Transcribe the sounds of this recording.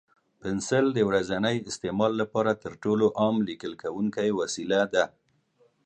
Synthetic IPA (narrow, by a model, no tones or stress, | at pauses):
pɪnsɪld̪əwɾazanəjɪst̪emɑlːapɑɾat̪əɾʈoloʔɑmlikəlkawuŋkajwasilad̪a